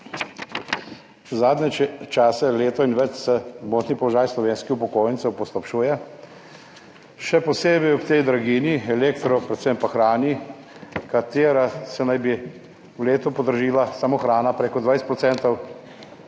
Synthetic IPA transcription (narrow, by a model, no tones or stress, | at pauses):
zaːd̪nɛt͡ʃaːsɛleːt̪ɔinʋɛt͡ʃsɛd̪moːt̪nipɔlɔʒaːjslɔʋeːnskixpɔkoːjnt̪sɛwpɔst̪ɔpʃuːjɛ | ʃɛpɔseːbɛjɔpt̪ɛjd̪ɾaɡiːniɛleːkt̪ɾɔpɾɛt̪sɛmpaxɾaːni | kat̪eːɾasɛnajbi | wleːt̪upɔd̪əɾʒiːlasamoxɾaːnapɾeːkɔd̪ʋajst̪pɾɔt̪sɛːnt̪ɔw